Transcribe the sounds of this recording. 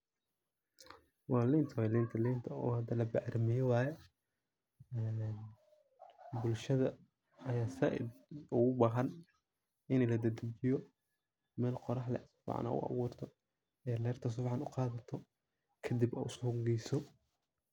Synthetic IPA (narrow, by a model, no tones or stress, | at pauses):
wɑːlɪnt̪ʰɐwɛlɪnt̪ʰɐlɪːnt̪ʰɐɔ̰ːhɐd̪ɐlɐbɛʕɾmɪjɪwɑːjɛ | ɛːn | bʊlʃɐðɐ | ɐjaːsɐʔɪ̰dʊɣʊbɑɦɐn | ɪnɛlɐd̪ɐd̪ʊd͡ʒɪjɔ | mɛːlqɔɾɑħlɛ̰sʊ̥fʕɑ̰nʔa̰ːʔʊ̰ʔɑ̰βuːrt̪ʰɔ | jaːlɛːrt̪ʰɐs̬ʊfħɑnʊqɑːðɐt̪ʰɔ | kʰɐd̪ibɛ̰ʔʊsʊɡɛjsɔ